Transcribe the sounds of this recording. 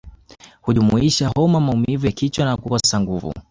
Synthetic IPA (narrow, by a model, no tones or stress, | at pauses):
huʄumuiʃaɦɔmamaumivujakit͡ʃwanakukasaŋɡuvṵ